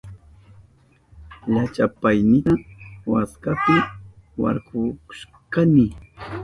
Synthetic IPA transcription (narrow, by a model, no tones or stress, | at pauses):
ʎat͡ʃapajnɪt̪awaskapɪwa̰ɾkʊkʊ̥ʃ | kanɪ